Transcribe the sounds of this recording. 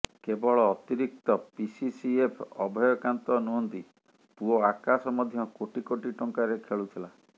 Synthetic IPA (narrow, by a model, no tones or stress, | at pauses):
kebɔɭɔːt̪iɾik̚t̪ɔpisisiepʰɔbʱɔjɔkant̪ɔnuɦɔnt̪i | puoakasɔmɔd̪ʱjɔkoʈikoʈiʈɔŋkaɾekʰeɭut̪ʰila